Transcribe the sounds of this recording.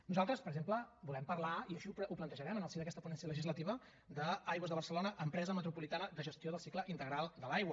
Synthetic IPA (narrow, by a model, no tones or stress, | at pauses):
nuzalˠt̪ɾəspəɾəɡzempləbulɛmpərlaiəʃiuplənt̪əʒəɾɛmənəlˠsiðəkɛst̪əpunɛnsiələʒizlət̪iβə | d̪əajɣwəzðəβrsəlonəʔəmpɾɛzəmət̪ɾupulit̪anəd̪əʒəst̪ioðəlˠsikləʔint̪əɣɾalˠd̪əlajɣwə